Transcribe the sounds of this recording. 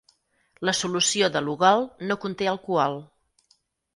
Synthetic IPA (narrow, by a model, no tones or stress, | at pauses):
ləsulusioðəluɣalˠnokunt̪eəlˠkualˠ